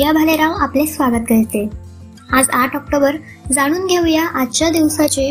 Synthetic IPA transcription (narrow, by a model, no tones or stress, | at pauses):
jabʱaleɾaʋaplesʋaɡət̪kəɭt̪e | ad͡zaʈɔk̚ʈobəɾ | d͡zaɽ̃uːnɡʱeʋjaʔat̪ːt͡ɕad̪iʋsat͡ɕe